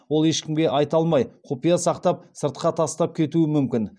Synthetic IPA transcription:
wo̞lˠe̞ʃkʲɪmɡʲe̞ʔɑjt̪ɑlˠmɑjqʰopijɑsɑqt̪ɑp̚səɾt̪̚qɑt̪ʰɑst̪ɑp̚kʲʰe̞t̪uɪmʏmkʲɪn

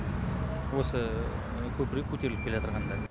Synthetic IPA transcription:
wosə | kʲʰɵpɾekʲʰːɵt̪e̞ɾlɪp̚kʰʲelet̪əɾʁɑnd̪ɑ

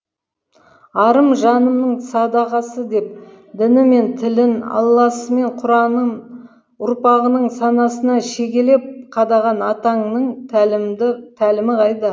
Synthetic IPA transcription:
ɑɾəmʒɑnəmnəɴsɑd̪ɑʁɑsəd̪e̞p̚ | d̪ɪnɪme̞nt̪ʰɪlɪnɑ̰lˠːɑsəme̞ɴqʰʊɾɑnə | ʊɾpɑʁənəɴsɑnɑsənɑʃe̞kʲe̞le̞p̚qʰɑd̪ɑʁɑnɑt̪ɑɴnəɴ | t̪ʰælɪmɪqʰɑjd̪ɑ

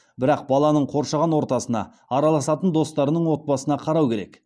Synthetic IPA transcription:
bɪɾɑq̚bɑlˠɑnəɴqʰo̞ɾʃɑʁɑnwoɾt̪ɑsənɑ̰ː | ɾɑlˠɑsɑt̪ənd̪o̞st̪ɑɾənəɴwo̞t̪̚bɑsənɑqʰɑɾɑwkʲe̞ɾe̞̰k

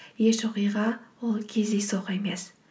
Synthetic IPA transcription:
jeʃoqɨjʁɑolˠkʲʰezejsoqe̞mes

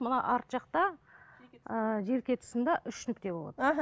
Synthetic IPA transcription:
mənɑʔɑɾt̪ʒɑqt̪ɑ | əʒe̞ɾkʲe̞t̪ʰʊ̥sənd̪ɑʔʏʃnʏk̚t̪e̞bo̞lˠɑ̰d̪ə

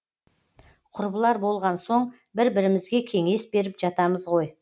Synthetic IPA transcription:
qʰʊɾbəlˠɑɾbo̞lˠʁɑnso̞ɴ | bɪɾbɪɾɪmɪzɡʲe̞kʲʰe̞ŋe̞sbe̞ɾɪpʒɑt̪ɑməzʁo̞j

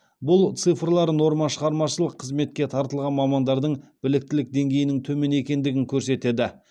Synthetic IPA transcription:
bʊlˠt̪sɨfrlˠɑɾəno̞ɾmɑʃəʁɑɾmɑʃəlˠəqʰːəzme̞t̪̚kʲe̞t̪ʰɑɾt̪əlˠʁɑnmɑmɑnd̪ɑɾd̪əɴb̥ɪlɪk̚t̪ɪlɪk̚d̪e̞ŋɡʲejɪnɪŋt̪ʰɵme̞ne̞kʲe̞nd̪ɪɡʲɪŋkʲʰɵɾse̞t̪e̞d̪ɪ

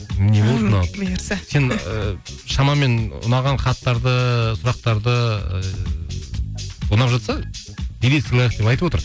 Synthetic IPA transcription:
mnebolˠnɑse̞n | ʃɑmɑme̞nʊ̰nɑʁɑnχɑt̪ːɑɾd̪əsʊɾɑq̚t̪ɑɾd̪ə | onɑpʒɑt̪sɑ | b̪ed̪esɪlˠajqd̪epɑjt̪əpwo̞t̪əɾ

